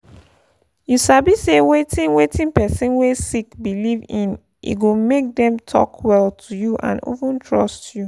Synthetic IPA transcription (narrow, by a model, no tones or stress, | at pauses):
juʃabisewetʰĩnwetʰĩnpɛsĩnwesikbilivĩn | ḭɡomek̚dɛ̃mtʰɔ̰kʰwɛltʰujuʔã̰no̰vũntʰɹɔstju